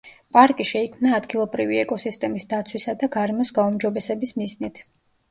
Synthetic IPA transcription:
pʼaɾkʼiʃɛikʰmnaːd̪ɡilˠɔbɾiviɛkʼɔsist̪ʼɛmisd̪at̪sʰwisad̪aɡaɾɛmɔsɡaumd͡ʒɔbɛsɛbismiznit̪ʰ

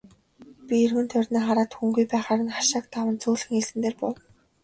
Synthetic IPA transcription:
pʲierxɘ̆nt̪ʰœrʲniːχaɾaːt̪xuŋɡujpæːχaːɾə̆nχḁʃaːk̚t̪awə̆nt͡suːɮxɘ̆ŋiɮɘ̆nd̪eːrpɔw

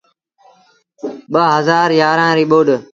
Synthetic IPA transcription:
ɓəɦəzaːɾjaːɾãːɾiːɓoːɗ

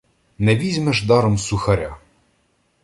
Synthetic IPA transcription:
nɛʋʲizʲmɛʒd̪ɑɾɔmsʊxɐɾʲa

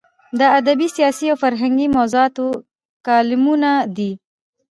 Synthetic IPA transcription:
d̪əad̪abisijɑsiawfaɾɦaŋɡimawzuɑt̪o | kɑlɪmunad̪i

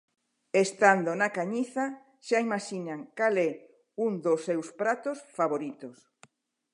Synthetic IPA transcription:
est̪and̪onakaɲiθa | ʃaimaʃinaŋkalɛ | uŋd̪osːewspɾat̪osfaβoɾit̪os

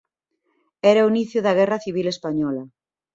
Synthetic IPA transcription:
ɛɾauniθjʊðɐɣ̞ɛraθiβ̞ilespaɲɔlɐ

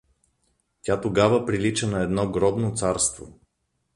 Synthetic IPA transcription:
tʲat̪oɡavəpɾilit͡ʃənɐɛd̪nɔɡɾɔbnot̪saɾst̪vo̰

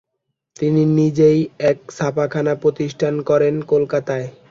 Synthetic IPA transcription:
t̪ininid͡ʑejɛk̚sʰapakʰanapɾot̪iʃʈʰankɔɾenkolkat̪ae

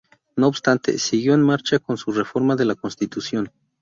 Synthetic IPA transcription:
noːpst̪ant̪ḛsiɣjoenmaɾt͡ʃakonsurefoɾmaðelakonst̪it̪usjon

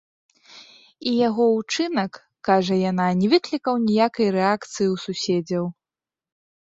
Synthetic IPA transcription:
ijaɣɔut͡ʂɨnɐkː | aʐɐjananʲɛvɨklʲikɐwnʲijakɐjɾɛakt̪sɨjiwsusʲed͡zʲɐw

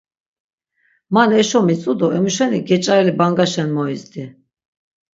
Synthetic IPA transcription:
manɛʃɔmit͡sʼud̪ɔɛmuʃɛniɡɛt͡ʃʼaɛlibaŋɡaʃɛnmɔizd̪i

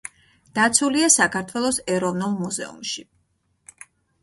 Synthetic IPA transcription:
d̪̥at̪sʰuliasakʰaɾt̪ʰwɛlˠɔsɛɾɔvnulˠmuzɛ̰ṵmʃi

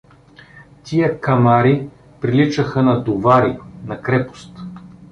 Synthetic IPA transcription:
t̪ijəkɐmaɾi | pɾilit͡ʃəxənɐd̪ovaɾinɐkɾɛpo̥st̪

